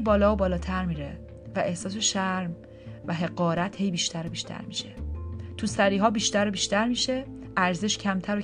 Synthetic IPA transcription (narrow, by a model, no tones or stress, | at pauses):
bɒːlɒːbɒːlɒːt̪ʰæɾmiːɾe | væʔe̞hsɒːs̬eʃæɾm | væɦe̞ɡɒːɾæt̪ʰhe̞jbiːʃt̪ʰæɾobiːʃt̪ʰæ̰ɾmḭːʃe̞t̪ʰusæɾiːɦɒːbiːʃt̪æɾobiːʃt̪æɾmiːʃe̞ | ʔæɾze̞ʃcʰæmt̪ʰæɾo